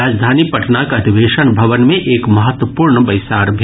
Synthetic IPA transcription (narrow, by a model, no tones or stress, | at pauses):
aːd͡ʒd̪ʱaːnipɐʈʰnakɐd̪ʱiʋeːʃənbʱɐʋənmẽʔeːkmɐɦət̪wəpuːɾɳəbɐjɪsaːɾbʱ